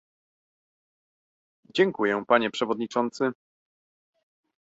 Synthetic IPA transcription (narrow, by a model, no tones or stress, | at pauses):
d͡ʑɛŋkujɛpaɲɛpʂɛvɔd̪ɲit͡ʂɔnt̪sɘ